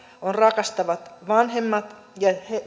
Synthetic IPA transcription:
onrɑkɑst̪ɑʋɑt̪ʋɑnɦemːɑt̪ | jɑhe

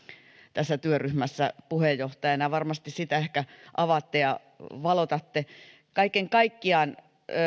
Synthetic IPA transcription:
t̪æsːæt̪yøryhmæsːæ̰puhejjoht̪ɑjɑnɑjɑʋɑrmɑst̪issit̪æehkæʔɑʋɑt̪ːejɑ | ʋɑlot̪ɑt̪ːe | kɑikeŋkɑikːiɑːˑn

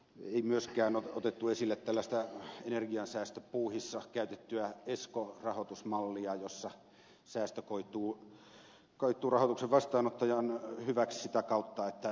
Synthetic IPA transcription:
eˑimyøskæːnoot̪et̪ːuesilːet̪t̪ælːæst̪æenerɡiɑnsæːst̪øpuːhisːɑkæˑyt̪et̪ːyæeskorɑhot̪usmɑlːiɑjosːɑ | sæːst̪økoit̪ˑuː | koit̪ːˑuːrɑhot̪ukseʋʋɑst̪ɑːnot̪ːɑjɑnhyʋækssit̪ækɑˑut̪ːɑet̪ːæ

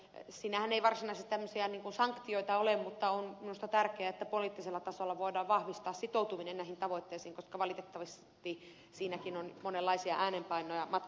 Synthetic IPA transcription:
siːnæhæneiʋɑrsinɑiset̪t̪æmːøsiɑniːŋkunsɑŋkt̪ioit̪ɑolemmut̪ːɑonminust̪ɑt̪ærkeæet̪ːæpoliˑːt̪ːiselːɑt̪ɑsolːɑʋoidɑːʋʋɑhʋist̪ɑːssit̪out̪uminenæˑhint̪ɑʋoit̪ːeisiːŋkoskɑʋɑlit̪et̪ːɑʋis | t̪i | siːnækinonmonelːɑisiɑ̰ʔæːnempɑinojɑmɑt̪

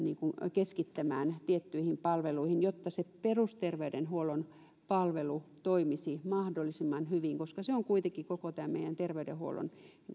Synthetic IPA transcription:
niːŋkunkeskit̪ːæmæ̰ːnt̪iet̪ːyihimpɑlʋeluihinjot̪ːɑseperust̪erʋeydenhuolon | pɑlʋelut̪oimisimɑhdolːˑisimːɑnhyʋiŋkoskɑseoŋkuit̪eŋkːikokot̪æːmmeijænt̪erʋeydḛhuo̰lo̰n

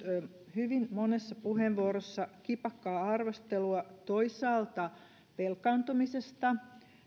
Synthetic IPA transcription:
hyʋinmonesːɑpuheʋʋuoɾosːɑkipɑkːɑːɑrʋost̪eluɑt̪oisɑːlt̪ɑ | pelkɑːnt̪umisest̪ɑ

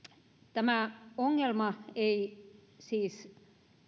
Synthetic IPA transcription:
t̪æmæoŋːelmɑeisiːs

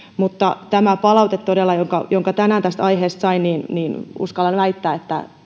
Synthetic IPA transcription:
mut̪ːɑ̰t̪æmæpɑlɑut̪et̪t̪odelːɑjoŋkɑ̰joŋkɑt̪ænæːnt̪æst̪ɑiheːst̪sɑiniːnniːnṵskɑlɑnʋæit̪ːæːet̪ːæ̰

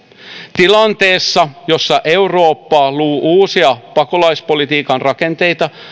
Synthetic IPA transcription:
t̪ilɑnt̪e̞ːsːɑjo̞sːɑʔe̞uro̞ːpːɑːluːʔuːsiɑpɑko̞lɑjspo̞lit̪iːkɑnrʔɑke̞nt̪e̞jt̪ɑ

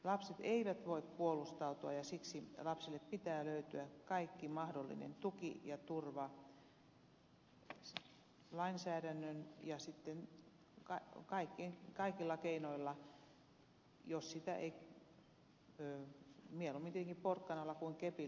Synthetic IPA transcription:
lɑpset̪eiʋæt̪ʋoikkuolust̪ɑut̪uɑ̰jɑsiksilɑpsilːeppit̪æːløyt̪yækɑikːimɑhdolːḭnḛnt̪ukḭjɑt̪urʋɑ | lɑinsæːɾænːønjɑsit̪ːen | kɑkɑikːekɑikilːɑkeinoilːɑ | jossit̪æ̰ʔḛi | øːmielumːint̪ieeŋkipporkːɑnɑlːɑkuiŋkepi

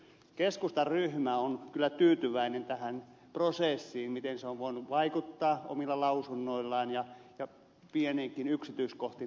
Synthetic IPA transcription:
keskust̪ɑrryhmæonkylːæt̪yːt̪yʋæinent̪æhæn | proseˑsːiːnmit̪enseoʋʋoinuʋʋɑikut̪ːɑːʔo̰milːɑlɑusunːoilːɑːnjɑjɑ | pieneːŋkinyksit̪yiskoht̪i

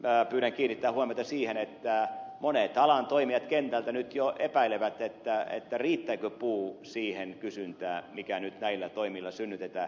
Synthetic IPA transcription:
mæpyːɾæŋkiːnit̪ːæːhuomiot̪ɑsiːhenet̪ːæmonet̪ɑlɑnt̪oimiɑt̪kent̪ælt̪ænyt̪joʔepæileʋæt̪et̪ːæḛt̪ːæriːt̪ːæikøpuːsiːhenkysynt̪æːmikænyt̪næilːæt̪oimilːɑsynːyt̪et̪æː

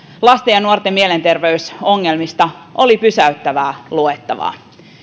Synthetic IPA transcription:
lɑst̪ejɑnuort̪emiele̞nt̪e̞rʋeyso̞ŋːe̞lmist̪ɑolipysæyt̪ːæʋæːluet̪ːɑʋɑ̰ː

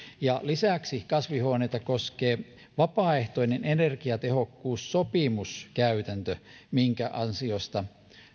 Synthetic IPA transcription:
jɑlisæˑksikɑsʋihoˑneit̪ɑkoskeː | ʋɑpɑːeht̪oinenenerkiɑt̪ehokːuːssopimuskæyt̪ænt̪ømiŋkæʔɑnsiost̪ɑ

